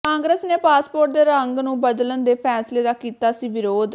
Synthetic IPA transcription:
kãːŋɡɾəsneːpaːspoːɾʈ̚d̪eːɾəŋɡnũːbəd̪lənd̪eːpʰɛːsleːd̪aːkiːt̪aːsiːʋɪɾoːd̪

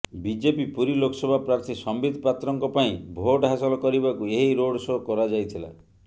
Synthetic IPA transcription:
bid͡ʒepipuɾilokɔsɔbʱapɾaɾt̪ʰisɔmbid̪ʱɔpat̪ɾɔŋkɔpaĩbʱoʈɦasɔlɔkɔɾibakueɦiɾoɽsokɔɾad͡ʒajt̪ʰila̰

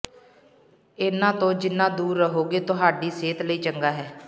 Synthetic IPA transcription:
ɪnãːt̪õːd͡ʒɪnːãːd̪uːɾːəɦoːɡeːt̪ʊɦaːɖiːseːt̪ləiːt͡ʃəŋɡaːɦɛː

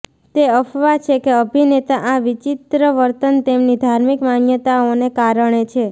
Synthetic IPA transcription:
t̪eəfʰʋat͡ʃʰekeəbʱinet̪aʔaʋit͡ʃit̪ɾəʋəɾt̪ənt̪emnid̪ʱaɾmikmanjət̪aonekaɾəɳ̃et͡ʃʰe

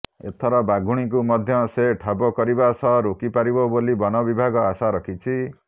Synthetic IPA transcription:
ḛt̪ʰɔɾɔbaɡʱuɽ̃ik̬umʌd̪ʱjʌseʈʰabɔkɔɾibasʰʌɾokipaɾibobolibɔnɔbibʱaɡɔasaɾʌkʰit͡ʃʰi

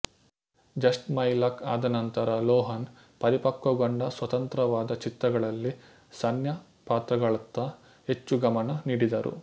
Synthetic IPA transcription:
d͡ʒɐsʈmɐjlɐkaːd̪ɐnɐnt̪ɐɾɐlɔːɦɐn | pɐɾipɐkːɐɡoɳɖɐsʋɐt̪ɐnt̪ɾɐʋaːd̪ɐt͡ʃit̪ɾɐɡɐɭɐlːi | sɐnjɐ | paːt̪ɾɐɡɐɭɐt̪ːɐ | ɦe̞t͡ʃːuɡɐmɐnɐniːɽid̪ɐɾṵ

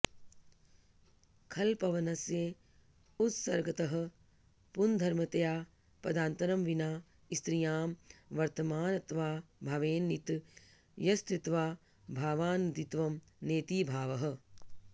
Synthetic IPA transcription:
kʰɐlpɐʋɐnɐsje | ut̪sɐɾɡɐt̪ɐɦɐ̆ | pund̪ʱɐɾmɐt̪ɐjaː | pɐd̪aːnt̪ɐɾɐmʋinaː | ist̪ɾijaːmʋɐɾt̪ɐmaːnɐt̪ʋaːbʱɐʋeːnːit̪ | jɐst̪it̪ʋaː | bʱaːʋaːnd̪it̪ʋɐm | neːt̪iːbʱaːʋɐɦɐ̆

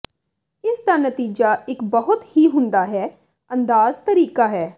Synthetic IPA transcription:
ɪsd̪anət̪iːd͡ʒaːɪkbəɦʊt̪hiːɦʊ̃nd̪aːɦɛː | ə̃nd̪aːzt̪əɾiːkaːɦɛː

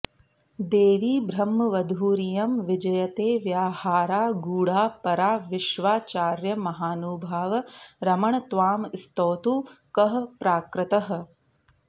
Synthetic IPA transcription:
d̪eːʋiːbɾɐmːɐʋɐd̪ʱuːɾijɐmʋɪd͡ʒɐjɐt̪eːʋjaːhaːɾaːɡuːɽaːpɐɾaːʋɪʃʋaːt͡ʃaːɾjɐmɐɦaːnuːbʱaːʋɐɾɐmɐɳɐt̪ʋaːmst̪oːt̪uːkɐɦɐpɾaːkɾɪt̪ɐɦ̆

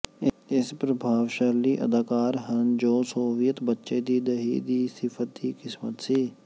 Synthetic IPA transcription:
ɪɪspɾəbʱaːʋʃəɾliːʔə̰d̪aːkaːɾɦənd͡ʒoːsoːʋijət̪bətːʃed̪iːd̪əɦḭd̪iːsɪfʰət̪iːkɪsmət̪siː

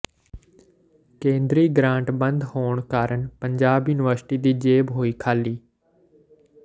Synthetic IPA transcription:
kẽːnd̪ɾiːɡɾãːɳʈbənd̪hoːɳkaːɾəɳpəɲd͡ʒaːbjʊːnɪʋəɾsʈiːd̪iːd͡ʒeːbɦoːiːkʰaːliː

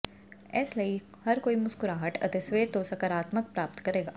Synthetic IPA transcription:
ɛːslɐi | hɐɾkoːimʊskʊɾaːɦəʈʰɐ̰t̪ɪsweːɾt̪oːsɐkəɾaːt̪mək̚pɾaːp̚t̪kɐɾeːɡaː

